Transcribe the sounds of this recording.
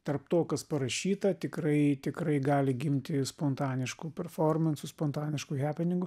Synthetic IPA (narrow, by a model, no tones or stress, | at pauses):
t̪ɐɾpt̪oːkɐspɐɾɐʃʲiːt̪ɐt̪ʲɪkɾɐɪt̪ʲɪkɾɐɪɡɑːlʲɪɡʲɪmʲt̪ʲɪspont̪ɑːnʲɪʃkupʲɛɾfoːɾmʲɛnsʊspɔnt̪ɑːnʲɪʃkʊɣʲæːpʲɪnʲɪŋɡʊ